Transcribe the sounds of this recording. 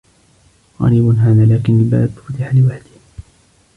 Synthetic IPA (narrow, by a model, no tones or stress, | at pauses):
ɣɑ̰ɾiːbʊnɦaːðaːlaːkɪnɪlba̰ʔd̪ʊ̥ft̪ɪħalɪwaħd̪ɪh